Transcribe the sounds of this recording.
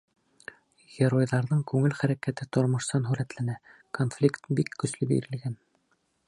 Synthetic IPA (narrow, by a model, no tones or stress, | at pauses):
ɡ̥ʲeɾojðɑɾðɤɴkʉŋɘlχæɾækæt̪ɘt̪ŏɾmŏʃsɑnɦʉɾæt̪lænæ | konflʲikt̪bikːɵ̆slɵbḭɾɘ̆lɡæn